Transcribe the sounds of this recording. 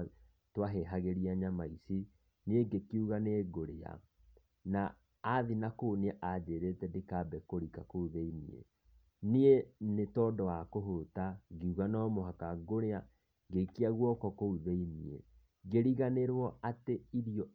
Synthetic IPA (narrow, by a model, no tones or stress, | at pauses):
twaɦeɦaɣeɾiaɲamaisi | nieɡekiuɣaneɡoɾea̰ | naː | ðinakoːneɛʔadeɾetɛdekabɛkoɾikakouðeinḭḛ | nienetɔdɔwakoɦotaɡeuɣanaɔmoɦakaɡoɾea | ɡekeaɣwɔkɔkouðeiniḛ | ɡeɾiɣaneɾwɔateiɾiɔ